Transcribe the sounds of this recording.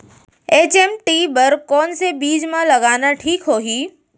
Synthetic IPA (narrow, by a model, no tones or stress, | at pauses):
eːt͡ʃeːmʈiːbəɾkɔːnsebiːd͡ʒmãlɐɡaːnaʈʰiːkɦoːɦiː